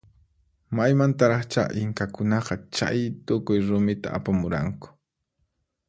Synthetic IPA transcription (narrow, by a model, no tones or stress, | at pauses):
majmant̪aɾɑχt͡ʃa̰ʔɪŋkakʊnɑqɑt͡ʃa̰jt̪ʊkʊjɾʊmɪt̪a̰ːpamʊɾa̰ŋkʊ̥